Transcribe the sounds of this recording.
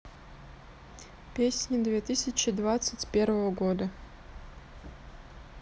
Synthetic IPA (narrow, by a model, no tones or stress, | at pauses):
pʲesʲnʲɪd̪vʲet̪ɨsʲɪt͡ɕɪd̪vat̪sɨtʲpʲervəvəɡod̪ə